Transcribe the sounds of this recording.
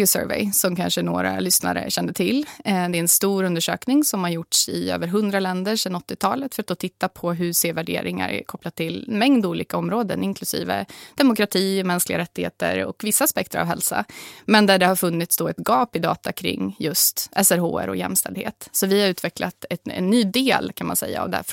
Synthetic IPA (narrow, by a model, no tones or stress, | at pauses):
ʊsœ̰ːɾvɛ̰ɪsɔmkʰanʂənoːɾa̰lʏsna̰ɾə̰ɕɛnd̪ət̪ʰɪlːd̪ɛːɾɛnst̪uːɾɵnd̪əʂøːknɪŋsɔmhaɾjʊʈʂɪø̰ːvəɾɦɵnd̪ɾalɛnd̪əʂɛnɔt̪ːɪt̪ʰɑːlət̪fœɾat̪̚d̪oːt̪ʰɪt̪ːapʰɔɦɵseːvæɖeːɾɪŋa̰ɾɛ̰kʰɔplad̪̚t̪ʰːɪlɛnmɛŋd̪uːliːkaɔmɾoːd̪ə̰nɪnkʰlɵsḭːvə̰d̪̥ɛmʊkɾat̪ʰiːɔmɛnsklɪɡaɾɛt̪ːɪheːt̪ə̰ɾɔ̰kvɪsːaːspɛk̚t̪əɾa̰vɦɛ̰lsa̰mɛnd̪æɖɛhaɾfɵnːɪt̪sd̪oːɛt̪ɡɑːpɪd̪ɑ̰ːt̪akʰɾɪ̰ŋːjɵst̪ɛsæɾɦo̰ːæ̰ɾɔ̰jɛ̰mst̪ɛld̪hḛːt̪sɔvɪhaɾʉ̟ːt̪ʰvɛklat̪ɛɛ̰nːyːd̪eːlkʰanma̰nsɛ̰jːa̰ːvd̪ɛæ̰f